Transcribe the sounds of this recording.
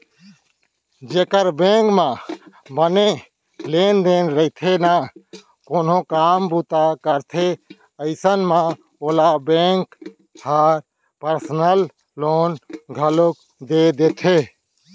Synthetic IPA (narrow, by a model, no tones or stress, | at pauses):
d͡ʒeːkəɾbẽːŋkmãbəne | leːnd̪eːnɾəɪt̪ʰena | koːnõkaːmbuːt̪akəɾt̪ʰe | əɪsənmã | oːlabẽːŋk | haːɾ | pəɾsnəl | loːnɡʱəlok | d̪ed̪eːt̪ʰeː